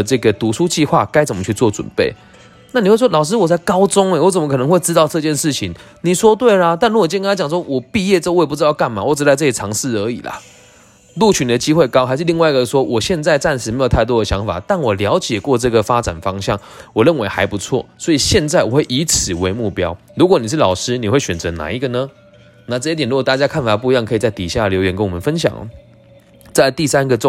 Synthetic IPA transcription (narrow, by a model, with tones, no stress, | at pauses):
ʈ͡ʂɤ˥˩ɡə˩t̪u˧˥ʂu˥t͡ɕi˥˧xwa̰˥˨ka˥ɪt͡sə˨˩mə˦t͡ɕʰy˥˧t͡swɔ˥˩t͡swə̰˨˩npe˥˩ɪ | na˥˩ni˨˩we˥˩ɪʂwɔ˥lɑ˨˩ʊʂ̬ɻ̩˥wɔ˨˩a˥˩ɪkɑ˥ʊt͡sʊ˥ŋe˧˩wɔ˧˥t͡sə˨˩məkʰnə˧˦ŋxwe˥˧ɪʈ͡ʂɻ̩˥t̪ɑ˥˧ʊʈ͡ʂɤ˥˧t͡ɕjɛ˥˧nʂɻ̩˥˩t͡ɕʰi˧˦ŋ | ni˨˩ʂwɔ˥t̪we˥˩ɪla˨t̪a˥˩nɻu˥˨˩t͡ɕkna˥t͡ɕjɑ˨˩ŋswɔ˥wɔ˨˩pi˥˧jɛ˥˧t̪we˥˩pu˥˩t͡sɻ̩˥t̪ɑ˥˧ʊka˥˩nma˨˩wɔ˨˩ʈ͡ʂɻ̩˧˥a˥˧ɪt͡sɤ˥˩i˨˩t͡sʰɑ˧˥ŋʂ̩˥˩ə˨˧˥ḭ˨˩lɐ̰˨˦ | lu˥˨˩t͡ɕʰy˧˥nd̪ə˨t͡ɕi˥xwe˥˧ɪkɑ˥ʊxa˧ɪʂɻ̩˥˧li˥˧ŋwa˥˩i˧ɡə˩ʂwɔ˥wʔɔ˨˩ɕjɛ˥˧nt͡sa˥˧ɪt͡sa˥˧nʂɻ̩˧˥me˧˥ɪjt̪ʰa˥˩ɪt̪wɔ˥də˨˩ɕjɑ˧˦˥ŋfa̰˨˩t̪a˥˩nwɔ˨˩ljɑ˧˥ʊt͡ɕjɛ˨˩kwɔ˥˧ʈ͡ʂɤ˥˩ɡə˨˩fa˦t͡sa̰˨˩nfɑ˥ŋɕjɑ˥˩ŋ | wɔ˨˩ɻə˥˩nwe˧˥ɪxa˧˥ɪpu˧˦t͡sʰwɔ̰˥˩swɔ˧˥i˨˩ɕjɛ˥˧nt͡sa˥˩ɪwɔ˨˩xwe˥˩ɪʔi˧˥t͡s̩ʰ˨˩we˧˦ɪmu˥˩pjɑ˥ʊ | ɻu˧˥kwɔ˧˦ni˨˩ʂ̬̩˥˩lɑ˨˩ʊʂɻ̩˥ni˨˩xwe˥˩ɪɕɥɛ˨˩nt͡sə˧˥na̰˧˥˦i˧˥ɡə˧˨nə˧˦ | na˥˧ʈ͡ʂɤ˥˧it̪̬ɛ˨˩nɻu˧˥kɔ˨˩t̪a˥˩t͡ɕja˥kʰa˥˩nfa˨˩p̬u˥˩˧i˧˦jɑ˥˩ŋkʰɤ˧˥i˨˩t͡sa˥˩ɪt̪i˨˩ɕja˥˩ljo˧ʊɥɛ˧˦nkə˦nwɔ˨mə˨˦nfə˦nɕ̬jɑ̰˨˩˦ŋə̰˦ | t͡sa˥˧ɪt̪i˥˩sa˦nɡə˨ʈ͡ʂ